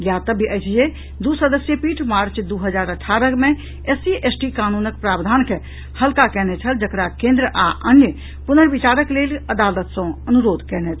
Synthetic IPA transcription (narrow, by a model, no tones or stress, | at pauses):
jat̪əbʱiʔəjt͡ʃʰje | d̪usəd̪əsjəpiʈʰmaɾt͡ʃd̪uɦəd͡ʒaɾəʈʰːaɾəkmẽ | esiesʈikanunək̚pɾabd̪ʱanke | həlkakɛnɛt͡ʃʰəld͡ʒəkɾakẽnd̪ɾəʔaʔənjə | punəɾbit͡ʃaɾəkleləd̪alət̪sə̃ənuɾoːd̪ʱkɛnɛt͡ʃ̪ʰ